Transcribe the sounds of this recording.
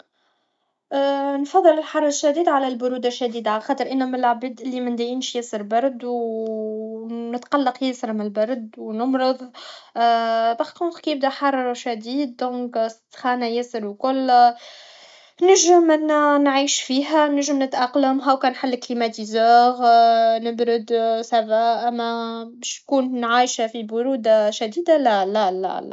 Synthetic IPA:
ʔnfɑðˤːɨlɪlħɑrˤːʃːad̪iːd̪ʕalælbʊɾuːd̪aʃːæd̪iːd̪ʕalxɑːt̪ˤəɾʔɪnːæmɪlʕabiːd̪ʔɪlːimɪnd̪æjiːnʃjɪsəɾbɑɾˤd̪w | nɪt̪qɑlːɑqjɪsɾmɪlbɑɾˤd̪wnʊmɾɨðˤ | baxt̪uxkjəb̚d̪æħɑrˤːɑʃad̪iːd̪̚ːɔ̃ːkst̪xæːnæjɪsəɾwkʊlː | næʒəmɪnːænʕiːʃfiːɦænæʒːəmnɪt̪ʔɑqlamɦæwkæːnħalːklimæt̪izaːɣnɪbɾʊd̪sæwæʔæmːæbæʃnkuːnnʕaːjʃfibʊɾuːd̪ʃæd̪iːd̪alælælæ̰l

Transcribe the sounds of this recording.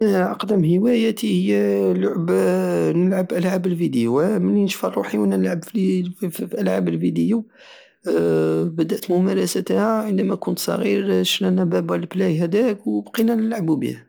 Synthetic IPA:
ʕɑ̰qd̪əmhəwæjæt̪ihəjːælʊʕəbnəlʕəbʔəlʕabəlfid̪əjuməlːinəʃfərˤːuħiwænːænəlʕəbfffʔəlʕabəlfid̪əju | bəd̪əʔt̪mʊmæɾˤɑsæt̪hæʕənd̪æmækʊnt̪sˤɑ̰ɣiɾʃnænæbæbællblæjɦæd̪ækwbqinænəlʕəbubḭhæ

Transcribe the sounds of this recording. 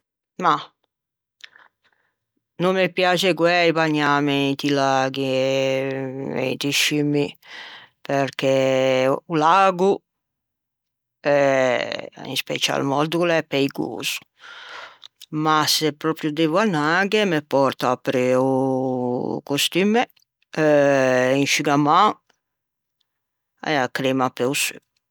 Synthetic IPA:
ma | nomːepːjaːt͡ʃekwɛjpaɲːaːmet̪ilaːɡi | ḛt̪iʃimi | peɾkɛ | ulaːɡu | ɛ | ḭ̃nspɛ̰t͡ʃa̰lmɔd̪ukulɛpːɛiɡo̰ːz̥u̥ | masɛpːɾɔpɾjud̪evuanaɡɛmɛpɔɾt̪aapɾɛu | kost̪imɛ | ɛinʃiɡama | ɛakːɾemapɛusy̰

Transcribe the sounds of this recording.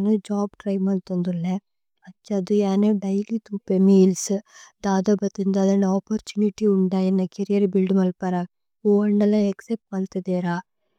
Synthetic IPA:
nud͡ʒaːbʈɾɐjmɐlt̪ɐnd̪ulːe | ɐtːt͡ʃːɐːd̪ujaːneɖɐjlit̪upemilsd̪aːd̪ɐbɐt̪ind̪aːd̪ɐnːɐɔːpɐɾt͡ʃuniʈiuɳɖajenːɐkeɾijɐɾbilɖmɐlpɐɾa | oːɐɳɖɐlɐeksep̚ʈmaːlt̪ɐd̪eːɾaː

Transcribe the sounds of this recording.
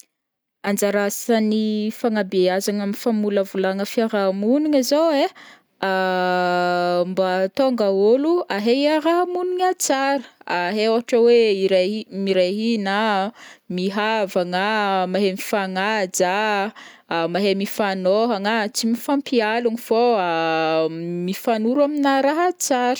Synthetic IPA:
and͡ʒaɾasanifaŋabeazaŋamifamuləvulaŋəfiaɾamuniŋazoe | a | mbat̪oŋɡaoluaɦeiaɾamuniɲat͡saɾə̥aɦeoɦaʈ͡ʂəweiɾamiɾaɦina | miɦavaŋamaɦemifaŋad͡ʒa | maɦemifanoɦaŋat͡simifampialuɲifoa | mifanuɾuaminaɾaɦat͡saɾə̥

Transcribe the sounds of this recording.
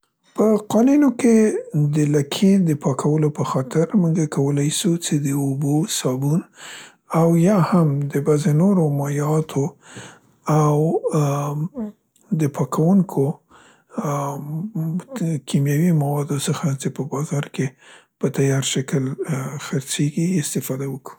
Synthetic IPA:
pəqɑnunoked̪əlakʰed̪əpɑkʰawəlopəxɑt̪ɪɾmuŋɡakawəlajsut͡ʃed̪əobosɑbun | awjɑhamd̪əbazenoɾomɑjɑt̪ʰo | aw | d̪əpʰɑkʰawuŋkʰo | kʰimjawimawɑd̪osəxat͡ʃepəbɑzɑɾkepət̪ajɑɾʃakəlxəɾt͡seɡiɪst̪ɪfɑd̪awəku̥

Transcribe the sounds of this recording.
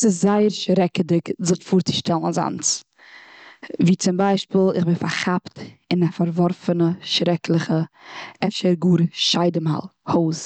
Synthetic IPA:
sɪszaɪəɾʃɾɛkədɪkzɪtfuːɾt͡sɪ̥ʃtɛlˠn̩za̰nt͡s | viːt͡sɪmbaɪʃpiːlˠɪχbɪnfaɾχaptɪnafaɾvɔɾfənəʃɾɛklˠəχəɛfʃəɾɡuːɾʃaɪdəmha̰lˠhoːs

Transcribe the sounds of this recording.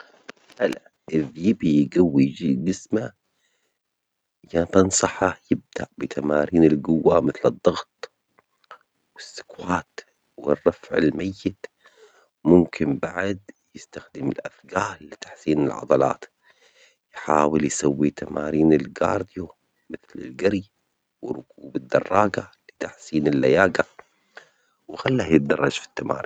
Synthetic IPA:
ʔala | ʔɪvjɪbijɡawːid͡ʒɪsma | jɑt̪ɑnsˤɑħajɪb̚d̪aʕbɪt̪ʰamaːɾiːnɪlɡʊwːamɪθlɨd̪ˤːɑɣt̪̚ˤ | wɪsːʊ̥kwaːt̪ | wɪ̰rˤːɑfʕɪ̰lmajːɪt̪ | mʊmkʰɪmbaʕd̪jɪst̪axd̪ɪmɪlʔafɡaːlːɪt̪ḁħsiːnɪlʕɑ̰d̪ˤɑlɑ̰ːt̪ | jħaːwɪljsawːit̪ama̰ːɾiːnɪlɡɑ̰ːɾˤd̪ɪju | mɪθlɪ̰lɡaɾj | wɪrːʊkuːbɪd̪ːɑrˤːɑːɡalɪt̪aħsiːnɪlːajaːɡa | wɪxalːahjɪt̪̚d̪ɑrˤːɑd͡ʒfi̥t̪ːama̰ːɾiː

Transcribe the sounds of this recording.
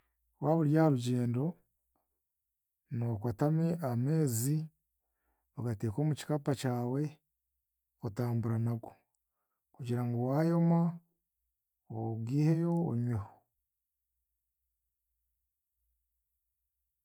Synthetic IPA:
waːβuɾjaaɾuɟe̞ːndo̞ | nokwatameʔame̞ːzi | βoɡate̞ːko̞ːmuci̥kapacaːwe̞ | kotaːmbuɾanaɡwo | kuɟiɾaŋɡowaːjo̞ma | oɡiːhe̞jo̞ːɲweho

